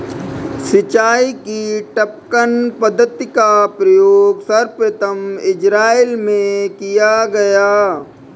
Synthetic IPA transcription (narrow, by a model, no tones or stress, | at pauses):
sɪt͡ʃaːikiʈəp̚kənpəd̪ʱət̪ːɪkapɾɐjoːɡsɐɾpɾət̪əmɪd͡ʒɾaːilmẽkijaɡɐjaː